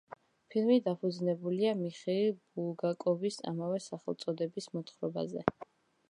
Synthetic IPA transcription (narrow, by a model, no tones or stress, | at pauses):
pʰilˠmid̪apʰud̪znɛbuliamiχɛilbulˠɡakʼɔvisa̰mavɛsaχɛlˠt̪sʼɔd̪ɛbismɔt̪χɾɔba̰zɛ̰